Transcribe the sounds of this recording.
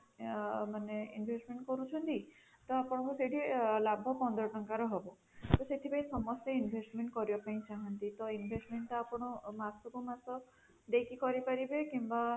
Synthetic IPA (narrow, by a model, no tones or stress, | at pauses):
maneḭnbʱesʈmeɳʈkɔɾut͡ʃʰɔnt̪i | t̪ɔapɔɽ̃ɔkuseʈilabʱɔpɔnd̪ɾɔʈɔŋkaɾɔɦɔbɔ | t̪ɔset̪ʰipaĩsɔmɔst̪ɔinbʱesʈmeɳʈkɔɾibapaĩt͡ʃaɦɔnt̪it̪ɔinbʱesʈmeɳʈɔapɔɽ̃ɔmasɔkumasɔ | d̪ekʰikɔɾipaɾibekimba